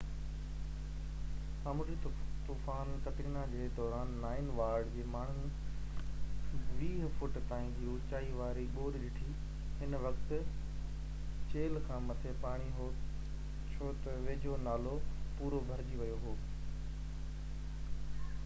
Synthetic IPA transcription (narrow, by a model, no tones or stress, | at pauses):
saːmʊɾit̪uːfaːnkɐʈɪŋnad͡ʑeːed̪ɔːɾaːnːaːɪnʋaːɾɖd͡ʑeːmaːɳ̤ũ | ʋiːɦfʊʈt̪aːĩluːt͡ɕaːiʋaːɾiɓoːɾɗɪʈʰi | ɦɪnʋɐkt̪ | t͡ɕeːlkʰãːmɐt̪ʰepaːɽ̃iɦoː | t͡ɕʰoːt̪ɐʋeːd͡ʑʱonaːlopuːɾobʱɐɾd͡ʑiʋɐjoɦoː